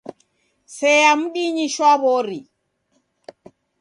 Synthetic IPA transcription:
sɛjam̩ɗiɲiʃwaβɔɾi

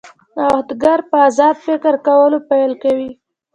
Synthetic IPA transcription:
ahd̪ɡaɾpəazɑd̪fɪkɪɾkawəlopajlkawi

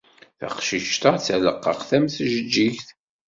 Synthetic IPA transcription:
θɑ̰qʃiʃt̪ɑt͡sːæləqːə̰χθæmθʒəd͡ʒːiçθ

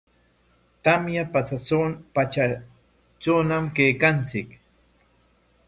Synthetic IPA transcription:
t̪amjapat͡sat͡sopat͡ʃa | t͡ʃonamkejkant͡sɪk

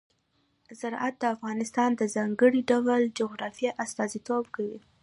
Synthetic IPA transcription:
zaɾʔat̪̚d̪əafɣɑnɪst̪ɑnd̪əzɑŋɡəɽiɖawld͡ʒoɣɾɑfijaʔast̪ɑzit̪obkawi

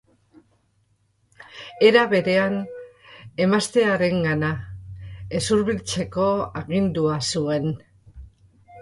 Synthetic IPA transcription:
e̞ɾaβe̞ɾe̞an | e̞mast̪e̞aɾe̞ŋɡana | e̞suɾβilt͡se̞ko̞aɣind̪uasue̞n

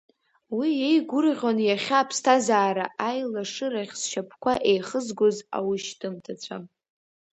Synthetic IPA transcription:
wiejɡʷʊrʁʲonjaχʲaːpʰstʰazaːɾaʔajlaʂɨɾaχʲsʃapʰkʷʰaʔe̞jχəzɡʷoza̰wʊʃtʰɨmtʰat͡ɕʷʰa̰

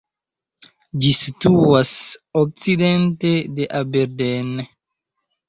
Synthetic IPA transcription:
d͡ʒisituasok̚t͡side̞ntedeʔabeɾden

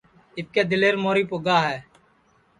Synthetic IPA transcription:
ɪt̪̚keːd̪ɪleːɾmoːɾiːpoɡaːɦɛː

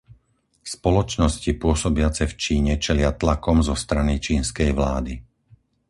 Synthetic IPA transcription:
spɔlɔt͡ʃnɔscipʊɔsɔbɪat͡sɛft͡ʃiːɲɛt͡ʃɛlɪat̪lakɔmzɔst̪ɾanit͡ʃiːnskɛjʋlaːd̪i

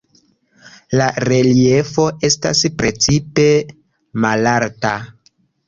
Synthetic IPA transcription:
laɾe̞liefo̞ʔe̞sta̰spɾe̞t͡sipe̞ | malaɾta

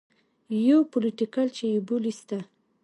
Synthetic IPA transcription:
jowpoliʈikalt͡ʃejubulist̪a

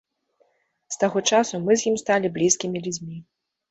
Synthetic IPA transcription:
st̪aɣɔt͡ʂasumɨzʲjimst̪alʲiblʲiskʲimʲilʲud͡zʲmʲi

